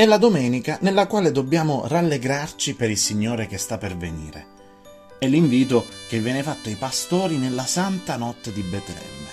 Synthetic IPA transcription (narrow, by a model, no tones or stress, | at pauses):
ɛlːad̪omɛːnikanelːakwaːled̪obːjaːmʊ̰ralːeɡɾart͡ʃipeɾilsiɲːoːɾek̟est̪apːervenḭːɾḛ | ɛlːiɱviːt̪ok̟evːjɛːnefat̪ːoipast̪ɔːɾinelːasant̪anɔt̪ːed̪ibɛt̪lɛ̰n